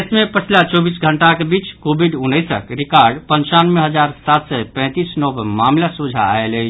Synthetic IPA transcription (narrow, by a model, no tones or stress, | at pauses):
smepət͡ʃʰlat͡ʃɔbisɡʱəɳʈakebit͡ʃkobʱiɖunːəsə̰kɾikaɾɖpənt͡ʃanmeɦəd͡ʒaɾsat̪sɛpɛ̃ɪ̃t̪isnɔbmamlasud͡ʒʱa̰a̰elət͡ʃʰ